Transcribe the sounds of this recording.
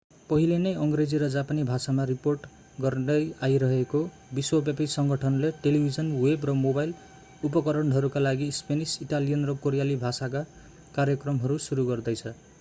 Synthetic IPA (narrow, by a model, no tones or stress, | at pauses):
pʌɦilenʌjʌŋɡred͡ziɾʌd͡zapanibʱasamariporʈ | ɡʌrnʌjajɾʌɦeko | biswʌbjapisʌŋɡʌʈʰʌnleʈelibʱid͡zʌnwebrʌmobajl | upʌkʌɾʌɳɖɦʌɾukalaɡispenisiʈalijʌnrʌkoɾijalibʱasak̬a | kaɾjʌkrʌmɦʌɾusuɾuɡʌrd̪ʌjt͡sʰʌ